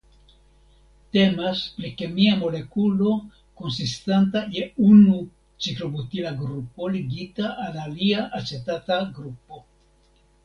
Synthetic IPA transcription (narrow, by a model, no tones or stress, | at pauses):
te̞maspɾike̞miamo̞le̞kulo̞ | ko̞nsistantaje̞unu | t͡ʃiklo̞butilaɡɾupo̞liɡitaʔːlaliaʔat͡ʃe̞tataɡɾupo̞